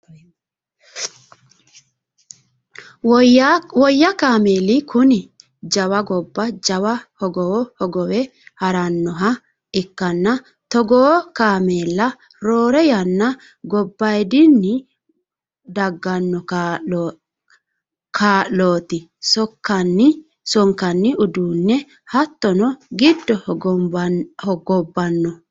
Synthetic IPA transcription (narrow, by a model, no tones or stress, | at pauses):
wɔjːɐkaːmeːlɪkʰʊnɪ | d͡ʒɐwɐɡɔbːɐd͡ʒɐwɐhɔɡɔhɔɡɔwɛ | hɐɾɐnːɔɦɐ | ɪkːɐnːɐ | t̪ɔɡɔːkaːmeːlːɐ | ɾoːɾɛjɐnːɐ | ɡɔbːɐjd̪ɪnːɪ | d̪ɐɡːɐnːɔkː | kʰaːʔloːt̪ɪsɔkːɐnːɪ | sɔŋkːɐnːɪʔʊd̪uːnːɛ | hɐt̪ːɔnɔɡɪd̪ːɔ | hɔɡɔbːɐnːɔ